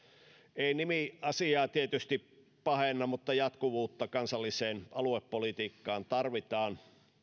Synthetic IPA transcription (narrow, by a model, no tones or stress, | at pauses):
einimiɑsiɑːt̪iet̪yst̪ip | pɑhenːɑmut̪ːɑjɑt̪kuʋuːt̪ːɑkɑnsɑlːiseːnʔɑluepːolit̪iːkːɑːnt̪ɑrʋit̪ɑːn